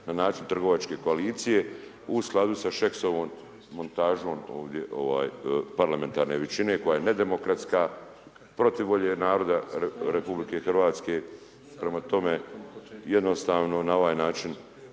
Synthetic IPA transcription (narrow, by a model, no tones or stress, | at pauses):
nanaːt͡ʃint̪r̩ɡo̞ʋat͡ʃke̞ko̞aliːt̪sije̞ | usklˠad̪usaʃeksoʋoːmː | o̞nt̪aːʒo̞ːmo̰ːʋd̪je̞ʔo̞̰ʋa̰ːjpaɾlame̞nt̪aːɾne̞ʋet͡ʃine̞ko̞jajened̪e̞mokɾat̪ska | pɾo̞t̪iʋːo̞ʎenaːɾo̞d̪aeɾepublike̞xrʋaːt̪ske | pɾe̞mat̪o̞me̞jed̪no̞st̪aːʋno̞nao̞ʋaːjnaːt͡ʃin